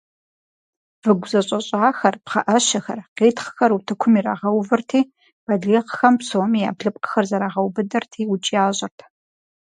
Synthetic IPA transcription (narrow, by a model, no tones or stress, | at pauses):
vɨɡʷʊzɐɕʼɐɕʼaːxɐrpχɐʔɐʃɐxɐrqeːtχə̥xɐɾutʰɨkʷʰʊmiraːʁɐwvɨrtʰiː | b̥ɐɮeːqxɐmpsomija̰ːbɮɨpʼqə̥xɐrzɐɾaːʁɐwbɨdɐrtʰiːwʊt͡ʃʼijaːɕʼɐrtʰ